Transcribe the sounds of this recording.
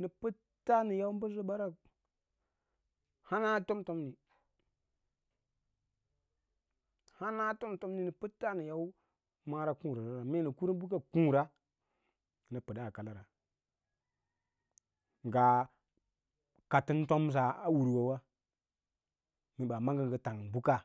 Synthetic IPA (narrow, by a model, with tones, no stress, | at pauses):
ni˨pə˦ | tːa˦ni˨ja˦wu˦m˦bə˦zo˦ɓa˦ɾa˦ | ha˦na˦to˦mto˦mni˨ | ha˦na˦to˦mto˦mni˨ni˨pə˦tːa˦ni˨ja˦u˦ | ma˦ɾa˦kũ˦˨ɾa˨zo˦ɾa˨me˦˨nə˨ku˦ɾi˦bu˦k̬a˦kũ˦ɾa˦˨ | nə˨pɨ˨da˦˨ka˨la˦ɾa˨ | ŋ˨ɡa˨ | ka˨ti˦n˦to˦ms̬a˨a˦wu˨ɾwa˨wa˦ | mi˨ɓa˨ma˦ŋɡə˦ŋɡə˨ta˨ŋbu˦ka˦